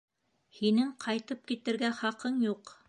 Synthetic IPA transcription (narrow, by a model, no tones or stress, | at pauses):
hinɘŋqʰɑjt̪ɤp̚kit̪ɘ̆ɾɡæχɑqɤɴjuq